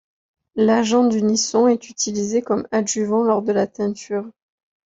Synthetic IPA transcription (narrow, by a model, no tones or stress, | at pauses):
laʒɑ̃d̪ynisɔ̃ɛt̪yt̪ilizekɔmaʒyvɑ̃lɔʁd̪əlat̪ɛ̃t̪yːʁ